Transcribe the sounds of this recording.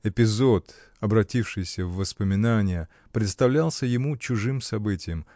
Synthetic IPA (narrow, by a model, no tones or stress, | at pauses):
ɪpʲɪzot̪ | ɐbɾɐtʲifʂɨjsʲəvːəspəmʲɪnanʲɪjə | pɾʲɪt̪st̪ɐvlʲalˠsʲəjɪmut͡ɕʊʐɨmsɐbɨtʲɪjəm